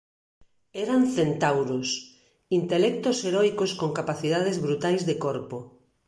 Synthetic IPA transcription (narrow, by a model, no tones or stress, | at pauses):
eɾanθent̪awɾos | int̪elɛk̚t̪oseɾɔjkoskoŋkapaθiðað̞ezβɾut̪ajzðekoɾpo